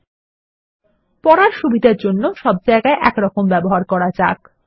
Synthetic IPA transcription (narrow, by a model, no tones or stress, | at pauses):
pɔɾaɾʃubid̪ʱeɾd͡ʑonːoʃɔb̚d͡ʑaeɡaeʔɛkɾɔkombɛboɦaɾkɔɾad͡ʑa̰k